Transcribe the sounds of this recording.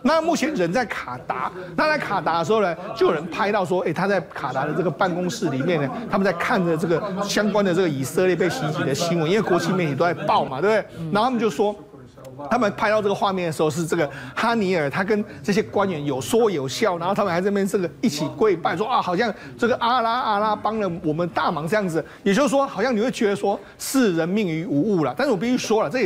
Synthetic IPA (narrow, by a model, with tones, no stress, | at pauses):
na˥˨mu˥˩t͡ɕʰjɛ˧˦nɻə˧˦nt͡sa˥˩ɪkʰa˨˩t̪a˧˥na˥˧t͡sa˥˩ɪkʰa˨˩t̪a˧˥də˧ʂ̬ɻ̩˧˥xo˥˧ʊa˧t͡ɕjo˥˩jo˨˩ə˧˦npʰa˥ɪt̪ɑ˥˧ʊʂ̬wɔ˥e˥ɪt̪ʰa˥t͡sa˥˩ɪkʰa˨˩t̪a˧˥ɾə˨˧ʈ͡ʂɤ˥˩ɡə˩pa˥˩nkʊ˥ŋʂɻ̩˥˩li˨˩mjɛ˥˩nə˩t̪ʰa˥mə˨nt͡sa˥˧ɪkʰa˥˩nd̪ə˨˩ʈ͡ʂɤ˥˩ɡə˩ɕjɑ˥ŋkwa˥nd̪ə˨ʈ͡ʂɤ˥˩ɡə˩i˨˩sə˥˧ljɛ˥˧p̬e˥˩ɪɕi˧˥t͡ɕi˨˩d̪ə˦ɕi˧˥ŋwə˧˦ni˥we˥˩kwɔ˧˥t͡ɕʰi˧mjɛ˥˩nt̪i˨˩t̪o˥˧t͡sa˥˩ɪpɑ˥˩ʊma˨t̪wbe˥˩a˧˥˨t̪ʰa˥ə˨˧t͡ɕjo˥˩ʊʂwɔ˥ | t̪ʰa˥mə˨npʰa˥˧ɪt̪ɑ˥˧ʈ͡ʂɤ˥˩ɡə˩xwa˥˧mjɛ˥˩nd̪ə˩ʂɻ̩˧xo˥˧ʊʂ̬ɻ̩˥˧ʈ͡ʂɤ˥˩ɡə˩xa˥ni˧˥ə˞˨˩t̪ʰa˥k̬ə˥nʈ͡ʂɤ˥˩ɕ̬jɛ˥kwa˦˥nɥɛ˧˥njo˨˩ʊswɔ˥jo˨˩ʊɕjɑ˥˩ʊna˧˦nxt̪ʰa˥mə˨xa˧˥˩t͡sɤ˥˩ɡə˩i˥˩t͡ɕʰi˨˩kwe˥˧ɪpa˥˧ɪswɔ˥a˥˩xɑ˨˩ʊɕjɑ˥˧ŋ | ʈ͡ʂɤ˥˩ɡə˩ʔa˥la˥a˥la˥pɑ˥ŋlə˨wɔ˨˩mə˦nt̪a˥˩mɑ˧˥ŋt͡sɤ˥˧jɑ˥˩ŋd͡z̩˩jɛ˨˩t͡ɕjo˥˩ʂ̩˥˩ʂwɔ˥xɑ˨˩ʊɕjɑ˥˨ni˨˩we˥˩ɪt͡ɕɥɛ˧˥d̪ə˧swɔ˥ | ʂɻ̩˥˩ɻə˧˥nmi˥˩ŋy˧˥u˧˥u˥˩lɐ˩t̪a˥˧nʂɻ̩˥˩wɔ˨˩pi˥˩y˥˩ʂwɔ˥lɐ˨˩ʈ͡ʂɤ˥˩˨